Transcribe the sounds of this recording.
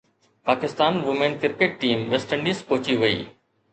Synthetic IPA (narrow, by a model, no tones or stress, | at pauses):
paːkɪst̪aːnʋʊmenkɪɾkeʈ̚ʈiːmʋesʈə̃ɳɖiskoːt͡ɕiʋɐḭː